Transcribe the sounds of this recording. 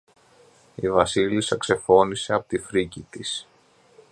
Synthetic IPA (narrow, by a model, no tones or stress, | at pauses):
ivɐsilisɐkse̞fo̞nise̞ɐpo̥t̪ifɾicit̪is